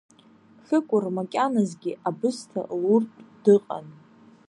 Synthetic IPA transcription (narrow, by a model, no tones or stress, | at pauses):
ɬɨkʷʼʊrmakʲʼanazɡʲiʔabɨstʰa̰ʔlurpʼd̥ɨqʼa̰n